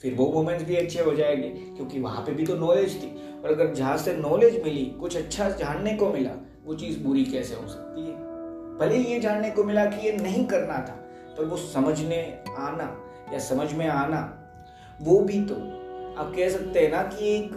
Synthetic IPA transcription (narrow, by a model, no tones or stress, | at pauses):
fɪɾboːmoːmẽɳʈsbʱiɐtːʃʰeʋɐd͡ʒaeɡe | kjõːkiʋɐ̰ɦã̰pebʱit̪onɔːleːd͡ʒt̪ʰiː | ɔːɾɐɡəɾd͡ʒɐɦãsenɔːleːd͡ʒmɪlikʊt͡ʃʰɐtːʃʰad͡ʒaːnːekomɪla̰ | ʋot͡ʃiːzbuɾikɛːseɦo̰sɐ̥k̚t̪iɦɛbʱɐlijed͡ʒaːnːekomɪlakijenɐɦĩkɐɾnat̪ʰaː | t̪ɔːɾʋosɐməd͡ʒʱneaːna | jasɐməd͡ʒʱmẽaːna | ʋoːbʱit̪oaːp̚kɛɦsɐk̚t̪eɦɛnakieːk